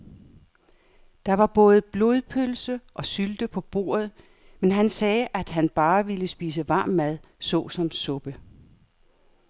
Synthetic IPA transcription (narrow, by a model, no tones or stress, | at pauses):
d̥ɑ̈ʋɑ̈b̥ɔ̽ːð̞̩ˠb̥lo̝ðˠpʰølsəʔɒ̽syld̥əpʰɒ̽b̥o̝̰ːɐð̞̩ˠ | menɦænsɛːʔæd̥ɦænb̥ɑ̈ːʋiləsb̥iːs̬əʋɑ̈ːmːæð̞ˠ | sɔ̰̽ːsɒ̽msɔ̽b̥ə